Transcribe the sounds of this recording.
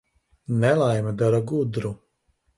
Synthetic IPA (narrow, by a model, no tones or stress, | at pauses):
nɛlˠajmad̪aɾaɡud̪ɾu